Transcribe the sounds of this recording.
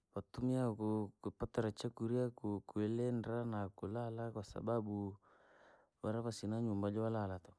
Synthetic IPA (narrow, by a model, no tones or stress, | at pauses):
batumiakʊkupataɾat͡ʃakuɾiakʊkuelendɾanakʊlalakasa̰babu | waɾapasinaɲumbad͡ʒɔwalalat̪ɔ̥